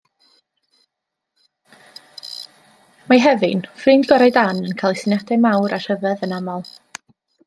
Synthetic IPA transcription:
maɦɛvɨnfriːndɡɔɾajdanənkʰalˠɪsɪnjadɛmawɾar̥əvəðənamɔlˠ

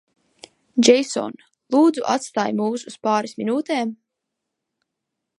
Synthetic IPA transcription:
d͡ʒɛjsɔ̰n | lˠuːd̪zuʔa̰t̪st̪aːjmuːsuspaːɾisminuːt̪ɛːm

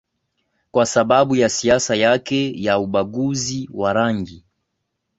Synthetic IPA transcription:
kwasaɓaɓujasiasajakɛjauɓaɡuziwaɾaŋɡi

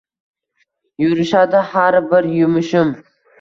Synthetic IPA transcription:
jʊɾɪʃad̪ɪhaɾbɪɾjʊmʊʃɪm

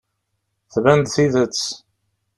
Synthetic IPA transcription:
θvænd̪θiðət͡sː

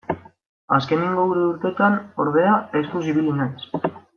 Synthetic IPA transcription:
aske̞niŋɡouɾeuɾt̪e̞t̪ano̞ɾðe̞aest̪us̬iβilinajs

